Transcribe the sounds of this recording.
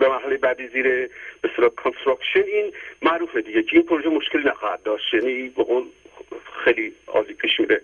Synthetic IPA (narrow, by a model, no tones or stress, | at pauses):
bemæɾɦælejebæd̪iːziːɾeb̥eselɒːkʰonst̪ɾɑkʃeniːnmæʔɾuːfed̪iɟecʰeiːnpʰoɾoʒemoʃkelinæxɒːhæt̪̚d̪ɒːʃt̪jænibeɣoːlxejliɒ̰ːliːpʰiːʃmiɾe